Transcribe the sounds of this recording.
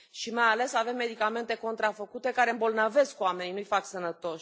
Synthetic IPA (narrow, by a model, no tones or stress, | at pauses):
ʃimajale̞save̞mːe̞d̪ikame̞nt̪e̞ko̞nt̪ɾafəkut̪e̞kaɾe̞ɨmbolnəve̞skoame̞ninujfaksənət̪o̞ʃ